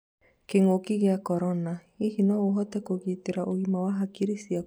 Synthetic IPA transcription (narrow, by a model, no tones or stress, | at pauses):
keŋokiɣeakɔɾɔna | iɣinɔoɦɔtɛkoɣiteɾaʔoɣimawaɦakiɾisia